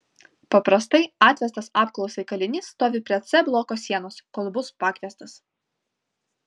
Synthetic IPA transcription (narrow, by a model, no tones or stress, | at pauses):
pɐpɾɐst̪ɐɪɑːt̪ʲʋʲɛst̪ɐsɑːp̚klˠɔʊsʲɛɪkɐlʲɪnʲɪsːt̪oːʋʲɪpʲɾʲɛt̪sʲɛblˠoːkoːsʲiɛnoːsʲkoːlˠbʊspɑːkʋʲiɛst̪ɐs